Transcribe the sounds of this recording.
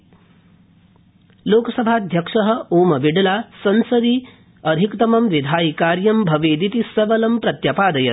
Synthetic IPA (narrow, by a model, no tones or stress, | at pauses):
loːkɐsɐbʱaːd̪ʱjɐkʂɐɦɐ̆oːmɐʋiɖɐlaːsɐnsɐd̪i | ɐd̪ʱikt̪ɐmɐmʋid̪ʱaːjikaːɾjɐmbʱɐʋeːd̪it̪isɐʋɐlɐmpɾɐt̪jɐpaːd̪ɐjɐt̪